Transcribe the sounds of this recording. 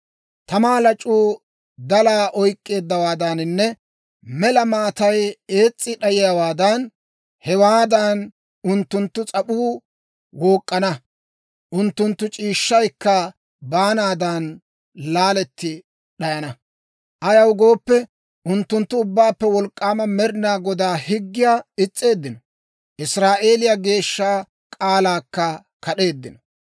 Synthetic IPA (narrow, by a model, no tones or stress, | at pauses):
t̪ɐmaːlɐt͡ʃʼːuː | d̪ɐlaːʔɔjkʼːe̞ːd̪ːɐwaːd̪ɐnɪnːɛ | mɛlɐmaːt̪ɐje̞ːt͡sʼːɪɗɐjɪjawaːd̪ɐn | hɛwaːd̪ɐn | ʊnt̪ːʊnt̪ːʊt͡sʼɐɓuː | woːkʼːɐnɐ | ʔʊnt̪ːʊnt̪ːʊt͡ʃʼiːʃːɐjkːɐ | baːnaːd̪ɐn | laːlɛt̪ːɪ | ɗɐjɐnɐ | ʔɐjɐwɡo̞ːpːɛ | ʔʊnt̪ːʊnt̪ːʊʊbːaːpːɛwɔlkʼːaːmɐmɛɾɪnaːɡɔd̪aːhɪɡːɪjaːɪt͡sʼːe̞ːd̪ːɪnɔ | ʔɪsɾaːʔe̞ːlɪjaɡe̞ːʃːaː | kʼaːlaːkːɐ | kɐɗe̞ːd̪ːɪnɔ̥